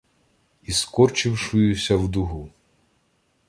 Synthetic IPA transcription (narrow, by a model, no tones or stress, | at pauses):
iskɔrt͡ʃɪwʃʊjʊsʲɐwd̪ʊɦu